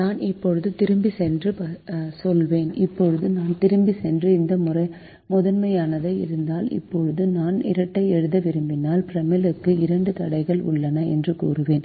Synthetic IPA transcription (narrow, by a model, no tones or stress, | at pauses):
naːnɪpːɔɻɯðɯt̪ɪɾɯmbisɛndrɯpɐsɔlʋeːnɪpːɔɻɯðɯnaːnt̪ɪɾɯmbisɛndrɯɪnd̪ɐmʊrɐɪ | mʊðɐnmɐjaːnɐðɐɪ̰ɾɯnd̪aːlɪ̰pːɔɻɯðɯnaːnɪ̰ɾɐʈːɐɪɛɻɯðɐʋɪɾɯmbɪnaːlpɪɾɐmɪlɯkːɯɪɾɐɳɖɯt̪ɐɽɐɪɣɐɭʊ̰ɭːɐnɐɛ̰ndrɯkṵːrɯʋeːn